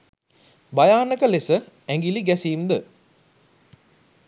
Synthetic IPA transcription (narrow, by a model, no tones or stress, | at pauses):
bajaːnəkəlesə | æŋɡiliɡæsiːmd̪ə